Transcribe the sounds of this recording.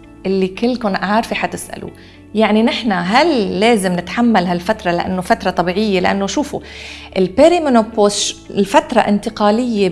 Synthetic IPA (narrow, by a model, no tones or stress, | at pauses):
ʔɪlːikɪlːkʊnʔaɾˤfiħat̪ɪsʔa̰lṵ | jaʕninɪħnaɦalːeːzɪmnɪt̪ħamːalɦalfat̪ɾˤɑlɪʔa̰nːofat̪ɾˤɑt̪ˤɑbiːʕɪjːelɪʔa̰nːoʃuːfuʔɪlpeɾimonopːoslfat̪ɾˤɑ̰ʔɪ̰nt̪ɪqɑːlɪjːe